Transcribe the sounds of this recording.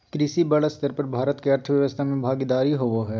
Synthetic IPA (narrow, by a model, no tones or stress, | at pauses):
kɾɪsibɐləst̪əɾpɐɾbʱaːɾət̪keɐɾt̪ʰəʋjɐʋəst̪ʰamẽbʱaːɡid̪aːɾiɦoʋoɦɛː